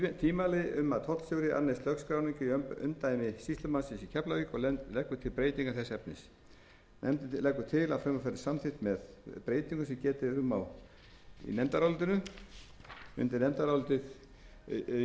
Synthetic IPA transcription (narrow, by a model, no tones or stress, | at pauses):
t̪ʰiːmalɪʏmːaðt̪ʰɔt̪l̥sjowɾɪʔa̰ɾnejst̪lœkskɾawniɲcʏiʏ̰mt̪aːjmɪsist̪lʏmansɪnsicʰɛplawikɔlɛlɛkːvʏt̪ʰɪlpɾeːjt̪iŋkaθɛsːɛpnɪs | nɛ̰mt̪ɪlɛkːʏt̪ʰɪla̰ðfɾɛmɔfaɾɪsamθɪht̪mɛðpɾeːjt̪iŋkʏsɛmcɛːt̪ɪʏmːaw | ḭnɛmt̪aɾawlt̪ɪnʏ | ʏ̰nt̪ɪɾnɛmt̪aɾawlt̪ɪð